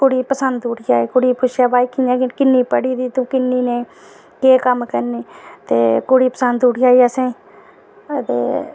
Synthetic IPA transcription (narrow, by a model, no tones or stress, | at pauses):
pʊɽiːpəsənd̪uːɽiaːiːkʊɽiːpʰʊʃjaːbaːikʰijãːkɪnːiːpəɽiːd̪iːt̪ũːkɪnːiːnẽː | keːkəmkəɾniːt̪eːkʊɽiːpəsənd̪uːɽiaːiəsẽː | t̪ḛː